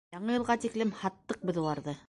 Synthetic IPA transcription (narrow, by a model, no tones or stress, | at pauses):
jɑɴɤjɤ̆lˠʁɑt̪iklɘmhɑt̪ːɤq̚bɘ̆ðulˠɑɾðɤ